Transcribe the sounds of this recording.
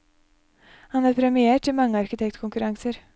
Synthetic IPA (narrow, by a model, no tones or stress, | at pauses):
hɑnæːɾpʰɾɛmɪeːʈɪmɑŋːəɑɾkɪt̪ʰɛk̚t̪kʰʊŋkʉɾɑŋsəɾ